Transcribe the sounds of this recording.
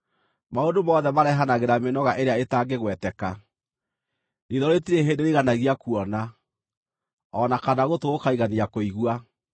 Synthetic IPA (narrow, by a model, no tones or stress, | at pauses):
maondomɔðɛmaɾɛɦanaɣeɾamenɔɣaʔeɾeaetaːɡeɣwɛtɛka | ɾiðɔɾetiɾeɦeːndeɾiɣanaɣiakuɔna | ɔnakanaɣotoːkaiɣaniakoiɣwa